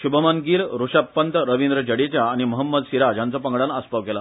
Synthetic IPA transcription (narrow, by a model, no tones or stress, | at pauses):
ɕubʱəmanɡiːlɾuɕapːənt̪ɾəʋind̪ɾəd͡ʑəɽet͡ɕjaːɽ̃iməɦəmːəd̪siɾad͡ʑjãnt͡sɔpəŋɡɽanəspəʋkela